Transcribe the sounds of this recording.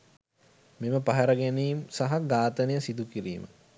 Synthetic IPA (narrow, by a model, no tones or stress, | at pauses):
miməpɐɦɐɾɐɡæniːmsaɦaɡaːt̪ənejəsid̪ukiɾḭːmə̰